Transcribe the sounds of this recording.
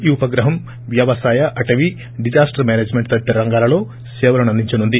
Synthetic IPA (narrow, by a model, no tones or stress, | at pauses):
juːpɐɡɾɐɦɐm | ʋjɐʋɐsaːjɐʔɐʈɐʋi | ɖid͡ʒaːsʈɐɾmeːneːd͡ʒmeɳʈt̪ɐʈːɐɾɐŋɡaːlɐlo̞ː | seːʋɐlɐnɐnd̪iɲt͡ʃɐnund̪i